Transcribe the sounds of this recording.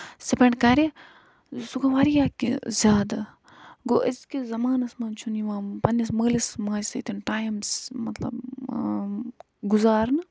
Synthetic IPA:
sepɐɳɖkɐɾi | sukɐʋaɾijaːkḭzʲjaːd̪ɐ | ɡo̰ːʔɐskizɐmaːnɐsmɐːnt͡ʃʰuniʋãːpɐnɐsməːlismaːd͡ʒsɐt̪inʈaːjmsmɐt̪lɐ̰b | ɡuzaːɾnɨ

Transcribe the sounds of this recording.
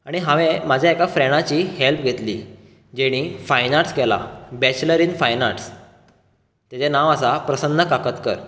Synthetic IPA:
aɽ̃iɦãʋẽmad͡ʑʱjaekafɾɛɽ̃at͡ɕiːhelp̚ɡʱet̪liː | d͡ʑeɽ̃ifajnaʈskɛla̰bɛt͡ɕləɾinfajnaʈs | t̪jat͡ɕenaʋasapɾəsənːəkakət̪kəɾ

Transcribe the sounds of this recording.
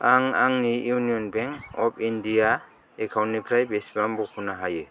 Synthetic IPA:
aŋaŋnijuniɔnbeŋɔpʰindija | ekʰawnipʰɾajbesbambɔkʰunaɦajɯ

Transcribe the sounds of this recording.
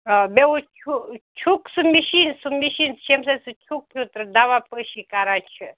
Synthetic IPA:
beut͡ʃʰut͡ʃʰuksɨmiʃinsumiʃinʃemsasɨt͡ʃʰuk̚ːʰut̪ɾɨd̪aʋapəʃikaːɾãt͡ʃʰɨ

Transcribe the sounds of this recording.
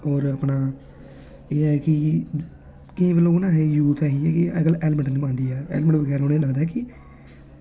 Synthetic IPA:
ɔːɾəpnaː | eːɛkɪ | kɪĩːbəlːõːʊnãːɦeːjuːt̪ʰɛːɦiːɛːkɪaɡəlɛːlməɳʈnːpãːnd̪iːɛːɛ̰ːlməɳʈʋəɡɛːɾoːneːləɡd̪aːɛːkɪ

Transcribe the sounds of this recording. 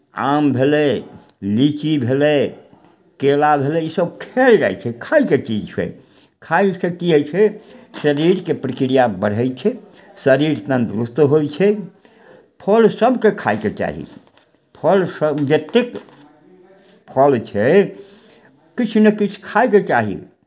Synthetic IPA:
a̰mbʱele | lit͡ʃibʱele | kelabʱelɛisəbkʰeld͡ʒa̰jt͡ʃʰɛkʰaiket͡ʃid͡ʒt͡ʃʰɛ̰ | kʰajsəkiɛt͡ʃʰɛsəɾiɾkepɾəkɾijabəɽ̤ɦɛjt͡ʃʰɛ | səɾiɾt̪ənd̪ɾust̪ɦojt͡ʃʰɛ | pʰəlsəbkekʰajket͡ʃa̰ɦḭ | pʰəlsəbd͡ʒet̪ek | pʰəlt͡ʃʰɛ | kit͡ʃʰnekit͡ʃʰkʰajket͡ʃaɦḭ

